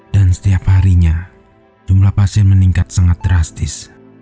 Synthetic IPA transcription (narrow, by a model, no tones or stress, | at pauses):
d̥ansə̥t̪iaphaɾiɲa | d͡ʒumlahpasiɛnməniŋkat̪̚saŋat̪̚dəɾast̪ɪs